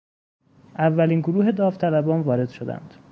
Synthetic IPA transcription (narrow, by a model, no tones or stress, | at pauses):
ʔævːæliːnɡoɾuːɦe̞d̪ɒːft̪ʰælæbɒːnvɒːɾe̞d̪̥ʃo̞d̪æ̰nd̪̥